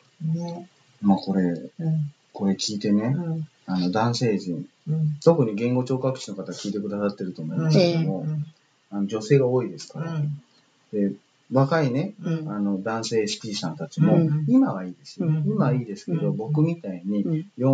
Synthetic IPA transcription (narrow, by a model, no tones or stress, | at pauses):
maːko̞ɾe̞ | ko̞ɾe̞kʲiːt̪e̞ne̞ | ano̞d̪ãɰ̃se̞ːʑĩŋ | t̪o̞kɯ̟ɲ̟iɡẽ̞ŋɡo̞t͡ɕo̞ːkakɯ̟̥ɕino̞kat̪akʲiːt̪e̞kɯ̟d̪asat̪ːe̞ɾɯt̪o̞mo̞imaskeomo̞ | ano̞d͡ʑo̞se̞ːɡao̞ːid̪e̞sɨ̥kaɾa | d̪̥e̞ | βakaine̞ano̞d̪ãɰ̃se̞ːɕi̥pʲiːsãnt̪at͡ɕimo̞imaβaiːd̪e̞simaiːd̪e̞sɨ̥ke̞d̪o̞bo̞kɯ̟mʲit̪aiɲ̟ijo̞